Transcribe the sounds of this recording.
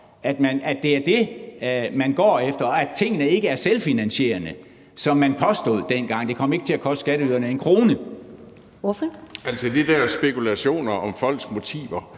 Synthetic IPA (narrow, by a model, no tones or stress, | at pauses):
ʔæd̥mænæd̥e̝æɐd̥e̝ | mænɡ̥ɒ̰ːefd̥ɐɒæ̥t͡sʰe̝ŋ̰ənəe̝ɡ̥əæɐselfinænɕe̝̰ːɐnə | sɒ̽mːænpʰɒ̽sd̥o̝̰ð̰ˠd̥enɡ̥ɑ̈ŋ̰d̥e̝kʰɒ̽m̰e̝ɡ̥ət͡sʰe̝lækʰɒ̽sd̥sɡ̥æɾəyðˠɐnəe̝nkʰʁo̝ːnə | ʋɔfɒælsɒd̥id̥æɐsb̥e̝kulæɕo̝̰ːnɐʔɒ̽mfɒ̽l̰ɡ̥sɡ̥mo̝t͡sʰḭːʋɐ